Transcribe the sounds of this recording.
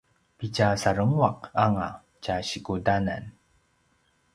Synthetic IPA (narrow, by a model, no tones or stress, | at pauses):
picasaɾəŋwaq̚aŋa̰ | caɕikudana̰n